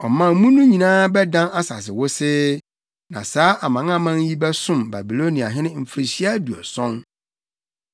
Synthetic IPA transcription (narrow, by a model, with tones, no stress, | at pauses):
ɔ˨mã˦m̩˦mũ˦nũ˦ɲĩ˨nãː˦bɛ˦dã˦na˦sa̰˨s̬ɪ˨wʊ˦sɪ˦ | nã̰˨saː˦ʔa˨mã˨ŋ˦ã˦mã˦n˦ji˦bɛ˦sʊ̃˦˨mba˨bi˨lo˦nĩ˨a̰˨ɦɪ̃˦nɪ̃˦m̩˨fɾi˨ɕi˦a˦du˨ɛ̰˨sɔ̃˦n